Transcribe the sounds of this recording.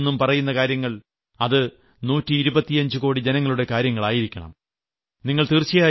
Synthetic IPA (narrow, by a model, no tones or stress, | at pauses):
nːumpɐrɐjun̪ːɐkaːɾjɐŋːɐɭ | ɐðɨ | nuːtːiːɾubɐt̪ːiɐɲd͡ʑɨko̞ːɽid͡ʑenɐŋːɐɭuɽe̞kaːɾjɐŋːɐɭaːjiɾikʲːɐɳɐ̰m | niŋːɐɭt̪iːrt͡ɕːijaː